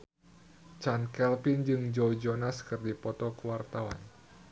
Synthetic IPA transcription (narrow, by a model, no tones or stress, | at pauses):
t͡ʃankɛlpɪnd͡ʒɨŋd͡ʒowd͡ʒonaskɨrdipɔt̪ɔkəwart̪awa̰n